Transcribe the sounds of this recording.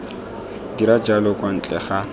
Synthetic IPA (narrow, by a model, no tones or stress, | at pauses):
diɾad͡ʒalɔkʼwan̩t͡ɬʼɛχa